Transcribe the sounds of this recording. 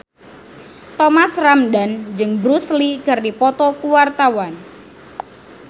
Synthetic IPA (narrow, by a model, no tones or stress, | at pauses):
t̪ɔmasramdand͡ʒɨŋbɾusliɡardipɔt̪ɔkuwart̪awan